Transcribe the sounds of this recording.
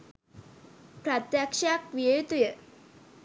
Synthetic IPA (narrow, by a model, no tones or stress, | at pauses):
pɾat̪jakʂak̚ʋiejut̪ujə